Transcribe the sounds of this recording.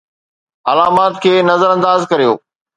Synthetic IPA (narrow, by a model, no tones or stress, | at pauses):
ɐlaːmaːt̪kʰeːnɐzəɾɐ̃nd̪aːzkɐɾijo̰ː